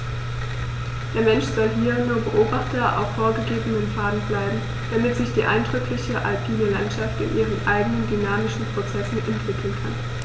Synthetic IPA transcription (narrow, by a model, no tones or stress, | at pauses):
d̥eːɐmɛnʃz̥ɔlɦiːɐnuːɐbəʔoːbaχtɐʔa̰ʊfːoːɐɡəɡeːbənənfaːdn̩blaɪbm̩ | d̥amɪtz̥ɪçd̥iːʔa̰ɪndʁʏklɪçəʔa̰lpʰiːnəlantʃaftɪ̰nʔiːʁ̞ənʔaɪɡənəndynaːmɪʃn̩pʁ̥ot͡sɛsn̩ʔɛntv̥ɪkʰl̩nkʰan